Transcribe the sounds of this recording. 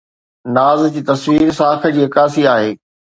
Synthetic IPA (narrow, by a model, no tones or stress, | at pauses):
naːzd͡ʑiːt̪ɐsʋiːɾsaːkʰə̆d͡ʑiːɐkaːsiaːɦeː